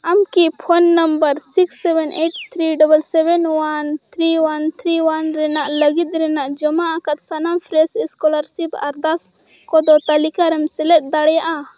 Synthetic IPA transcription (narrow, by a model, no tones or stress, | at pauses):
amkipʰɔnːəmbəɾsiksːɛbɛnʔeʈ̚t̪ʰɾiɖɔbəlsɛbɛnwant̪ʰɾiwant̪ʰɾiwanɾɛnaʔləɡit̪̚ɾɛnaʔd͡ʒɔmaʔakat̪̚sanampʰɾɛsiskɔlaɾsipa̰ɾd̪as | kɔd̪ɔt̪alikaɾɛmsɛlɛt̪̚d̪aɽɛjaʔa